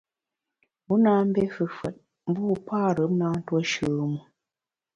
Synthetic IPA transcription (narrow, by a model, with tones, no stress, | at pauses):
mu˨˦naː˦m̩˦be˦fɨ˨fwɛ˨t̚ | m̩˦bu˦˨paː˦˨ɾə˨˦m̚naː˦n̩˦twɔ˦ʃʉː˨mu˨